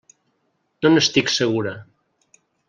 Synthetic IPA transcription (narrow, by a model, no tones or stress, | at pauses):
nonest̪ikseɣuɾa